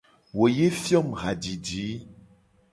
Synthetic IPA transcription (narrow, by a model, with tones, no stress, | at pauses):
wo˨je˦fjɔ˦˨mɣa˨di˨diː˨˦